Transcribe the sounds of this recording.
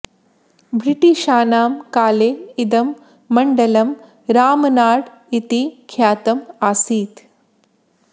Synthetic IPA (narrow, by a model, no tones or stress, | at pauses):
bɾiʈiʃaːnaːmkaːleːid̪ɐmː | ɐɳɖɐlɐm | ɾaːmɐnaːɽ | it̪ikʰjaːt̪ɐmaːsiːt̪